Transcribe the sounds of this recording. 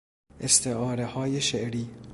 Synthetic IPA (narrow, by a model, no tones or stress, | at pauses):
ʔest̪ʰeʔɒːɾehɒːjeʃeʔɾiː